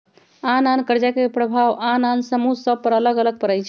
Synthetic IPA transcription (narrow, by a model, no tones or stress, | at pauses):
anankəɾd͡ʒakepɾəbʱaʋanansəmusəb̚pəɾələɡələɡ̚pəɾəjt͡ʃʰ